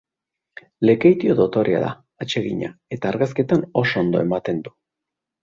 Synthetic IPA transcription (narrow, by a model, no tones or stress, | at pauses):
le̞kejt̪io̞ðo̞t̪o̞ɾea̰ða̰ | at͡ʃe̞ɣḭɲa̰e̞t̪aːɾɣaske̞t̪ano̞so̞nd̪o̞e̞mat̪e̞nd̪u̥